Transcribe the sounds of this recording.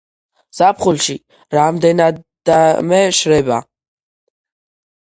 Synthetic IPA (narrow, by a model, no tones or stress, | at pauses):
z̥apʰχulʃi | ɾamd̪ɛnad̪d̪amɛʃɾɛba